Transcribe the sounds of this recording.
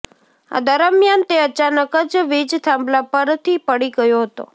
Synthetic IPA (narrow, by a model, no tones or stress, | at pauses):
a̰d̪əɾəmjant̪eət͡ʃanəkəd͡ʒʋid͡ʒt̪ʰãmblapəɾt̪ʰipəɽiɡəjoɦət̪o̰